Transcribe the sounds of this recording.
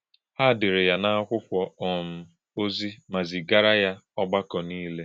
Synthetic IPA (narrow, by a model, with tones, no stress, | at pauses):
ha˦˨dɪ˨ɾɪ˨ja˨na˦a˦kʷʊ˦kʷɔ˨ɔ˨m̩˦ | o˦zi˦ma˨zi˨ɡa˦ɾa˦ja˦ɔ˦ɡ͡ba˦kɔ˨niː˦le˦